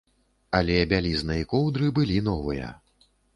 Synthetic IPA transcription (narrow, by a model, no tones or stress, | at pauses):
ɐlʲɛbʲalʲiznɨjikɔwd̪ɾɨbɨlʲinɔvɨjɐ̰